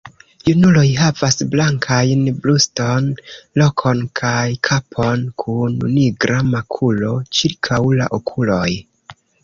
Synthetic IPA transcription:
junulo̞jɦavasblaŋkʰajnblusto̞nlo̞kʰo̞nkʰajkʰapʰo̞nkʰunṵniɡɾamakʰulo̞t͡ʃiɾkʰawla̰ʔokʰulo̞j

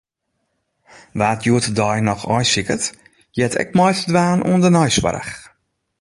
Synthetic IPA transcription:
ʋaːtʰjuətdɔjnɔxɔjsikət | jɛtʰɛ̰k̚mɔjtədʋaːnʔṵəndənɔjswa̰ɾə̰x

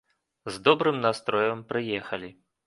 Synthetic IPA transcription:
zd̪ɔbɾɨmnast̪ɾɔjɐmpɾɨjɛxɐlʲi

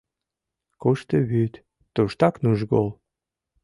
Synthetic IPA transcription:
kuʃt̪əβyt̪ː | uʃt̪ɑknuʒɡol

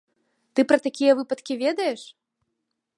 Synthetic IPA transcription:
t̪ɨpɾɐt̪akʲijɐvɨpɐt̪kʲivʲɛd̪ɐjɛʂ

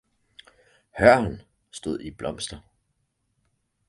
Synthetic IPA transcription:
hɶɐ̰n | sd̥o̝ð̞̰ˠib̥lɒ̽m̰sd̥ɐ

